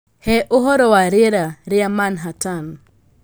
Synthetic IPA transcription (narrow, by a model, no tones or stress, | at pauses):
hɛʔoɦɔɾɔwaɾɪɾaɾɪamanɦatan